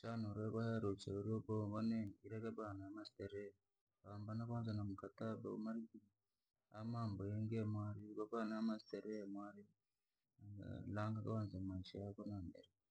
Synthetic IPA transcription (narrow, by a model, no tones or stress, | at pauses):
t͡ʃanoɾeβaheɾot͡ʃeɾoboβoneŋiɾekebanamasiteɾe | kaːmbanakanzanamukataba̰o̰maɾiki | amaːmboeŋɡemwaɾikaβanamasi̥teɾemwaɾi | aa̰laːŋɡakawanzamaʃiakonambeɾe